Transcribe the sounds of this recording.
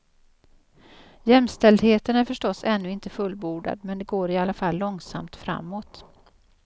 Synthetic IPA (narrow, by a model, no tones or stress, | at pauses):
jɛmst̪ɛld̪heːt̪ənæɾfœʂʈɔsɛnːɵɪnt̪əfɵlbuːɖa̰d̪mɛnd̪ɛɡoːɾɪalːafalːɔŋsa̰mt̪fɾa̰mːoːt̪